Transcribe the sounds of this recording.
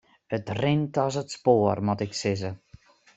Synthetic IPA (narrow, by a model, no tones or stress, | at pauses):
ətrɪntɔsətspoːərmɔtɪksɪzə